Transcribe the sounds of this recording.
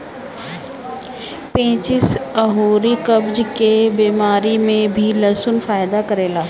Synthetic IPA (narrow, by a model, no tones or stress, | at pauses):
pẽːt͡ʃɪsəɦuːɾikɐbd͡ʒkebiːmaːɾimẽbʱilɐsʊnfaːɪd̪akɐɾeːlaː